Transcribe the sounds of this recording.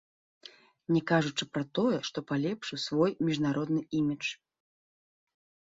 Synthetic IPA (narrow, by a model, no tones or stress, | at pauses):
nʲɛkaʐut͡ʂɨpɾɐt̪ɔjɛʂt̪ɔpalʲɛpʂɨwsvɔjmʲiʐnaɾɔd̪̚nɨʔimʲit͡ʂ